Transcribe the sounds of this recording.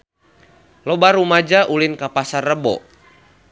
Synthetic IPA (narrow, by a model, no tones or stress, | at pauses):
lɔbaɾumad͡ʒaʔulinkapasarːəbɔ̰